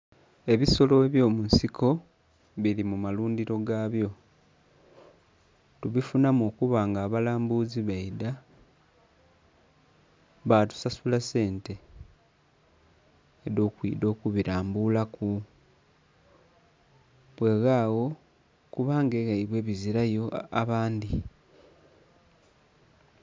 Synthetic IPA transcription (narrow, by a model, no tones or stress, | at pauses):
e̞βiso̞lo̞eβjoːmunsikʰo̞ | βilimumaluːndiɾo̞ɡaːβjo̞ | tuβifunamo̞ːkuβaːŋɡaːβalaːmbuziβaida | βatu̥sasulase̞ːnte̞ | edo̞ːkwḭːdo̞ːkuβiɾaːmbulaku | βwe̞ɣaːɣo̞ | kuβaːŋɡeɣaiβwe̞ːβiziɾajo̞aβaːndi